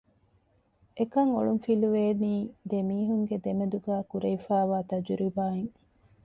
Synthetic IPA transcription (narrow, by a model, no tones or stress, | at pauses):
ʔekɐŋoɭumfiluʋeːniːd̪emiːɦuŋɡed̪emed̪uɡæːkuɾɐifæːʋaːt̪ɐd͡ʒuɾibaːeŋ